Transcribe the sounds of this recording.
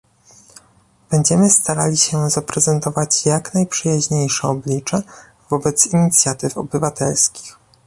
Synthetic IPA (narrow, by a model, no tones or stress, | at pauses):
b̥ɛɲd͡ʑɛmɘst̪aɾalʲiɕɛzapɾɛzɛnt̪ɔvat͡ɕjaknajpʂɘjaʑɲejʂɛɔblʲit͡ʂɛ | vɔbɛt̪siɲit̪sʲjat̪ɘfɔ̰bɘvat̪ɛlskʲi̥x